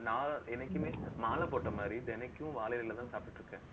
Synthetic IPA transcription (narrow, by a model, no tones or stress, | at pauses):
naːɛnɐkːɯmeːmaːlɐpoːʈːɐmaːd̪ɾid̪ɛnɛkːʊ̃ʋaːlɐjɪɾlɐt̪ãːsaːpɪʈːɾɯkːɛ̃ː